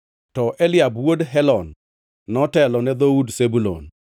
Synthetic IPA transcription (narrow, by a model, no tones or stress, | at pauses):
tɔʔɛlɪjabwodɦɛlɔnː | ɔtɛlɔnɛd̪oudsebulo̰n